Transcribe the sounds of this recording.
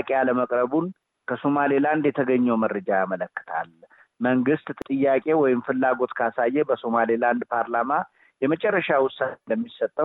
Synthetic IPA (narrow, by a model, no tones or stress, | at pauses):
kʼealəməkʼɾəbun | kʰəso̞maliland̪jɛt̪ʰəɡəɲːɛwmərːəd͡ʒajamələkːɨ̥t̪ʰa̰l | məŋɡɨst̪t̪ʼɨjːakʼe̞wɔjɪmfɨlːaɡo̞t̪kʰəasajːɛbəso̞maliland̪pʰaɾlama | jɛmət͡ʃʼɛrːəʃawʊsːand̪əmːisət̪ʼːə